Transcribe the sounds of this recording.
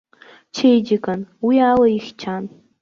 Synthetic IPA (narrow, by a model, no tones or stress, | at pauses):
t͡ʃʰejd͡ʒɪkʼanwialaixʲt͡ʃʰan